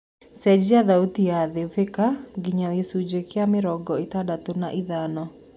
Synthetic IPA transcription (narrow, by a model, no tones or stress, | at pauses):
sɛd͡ʒiaðautiaðevekaɡiɲawesud͡ʒekjamɪɾɔɡɔitadatonaʔiðanɔ